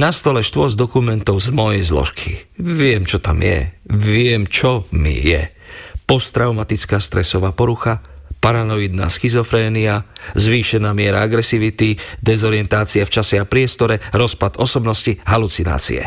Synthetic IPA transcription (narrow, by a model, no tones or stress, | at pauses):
nast̪ɔlɛʃt̪ʊɔzd̪ɔkumɛnt̪ɔʊzmɔjɛjzlɔ̰ʃkʰiʋɪɛmt͡ʃɔt̪a̰mjɛ̰ʋɪɛmt͡ʃɔmḭjɛ̰ | pɔst̪ɾaʊmat̪it͡skaːst̪ɾɛsɔʋaːpɔɾuxapaɾanɔjid̪na̰ːsxizɔfɾɛːniazʋiːʃɛnaːmɪɛɾa̰aɡɾɛsiʋit̪id̪ɛzɔɾɪjɛnt̪aːt͡siaft͡ʃasɛapɾɪɛst̪ɔɾɛɾɔspad̪ɔsɔbnɔsciɦalut͡sina̰ːt͡sḭɛ̰